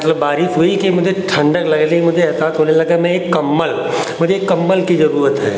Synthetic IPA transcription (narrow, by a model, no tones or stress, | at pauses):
ɐt̪ləbːaːɾiʃɦoːikimʊd͡ʒʱeʈʰɐ̃ɳɖəklɐɡelikimʊd͡ʒʱeɐsaːt̪ɦonelɐɡamɛ̃ekːɐmːəl | mʊd͡ʒʱeːkːɐmːəlkizɐɾuːɾət̪ɦɛ̰ː